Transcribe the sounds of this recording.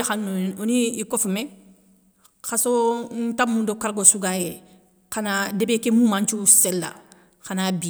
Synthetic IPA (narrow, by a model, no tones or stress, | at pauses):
exanːuoniikofume | xason̩tamːũndokaɾɡosuɡaje | kanadebekemũmãnt͡ʃuselːa̰ | xanabi